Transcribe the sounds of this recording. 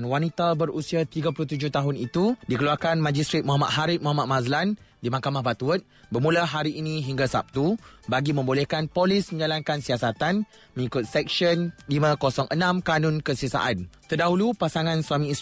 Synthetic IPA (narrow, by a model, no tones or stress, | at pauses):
nwanit̪abəɾusiat̪iɡap̬uluht̪ud͡ʒʊht̪aɦʊnit̪udikəluarkanmãd͡ʒist̪ɾit̪̚muɦama̰t̪̚ɦaɾɪt̪̚muɦamat̪̚mazlandimakamahbat̪uət̪̚bərmũlaɦaɾiʔːnĩɦiŋɡasa̰p̚t̪ubaɡimə̃mbolɛhkanpolɪsmə̃ɲd͡ʒalankansiasat̪an | mə̃ŋikʊt̪̚sɛk̚ʃənlimãkosɔŋʔənãmkanʊ̃nkəsəsa̰ʔant̪ərdaɦulupasaŋãnsuamĩs